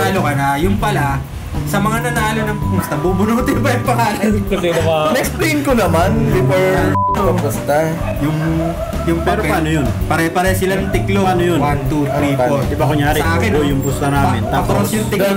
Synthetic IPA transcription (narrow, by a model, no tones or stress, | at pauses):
aːlokɐnajʊŋpɐla | sɐmɐŋanɐnaːlonɐŋmʊst̪ɐbubʊnuːt̪ɪjbɐjɐŋpɐŋaːlɐnkɐsɛnɐŋɐnɛksplejnkonɐmand̪ɪbɐaoɐpʊst̪ɐ | jʊŋ | jʊŋpɐːɾoɐpaɐnojonpɐɾɛpɐɾɛsɪlajʊŋt̪ɪkloanojonwant̪ut̪ɾifod̪ɪbakʊŋjaːɾɪsɐʔaːkɪnojʊŋbʊst̪ɐnaːmɪnt̪aaɐposjʊŋt̪ɪl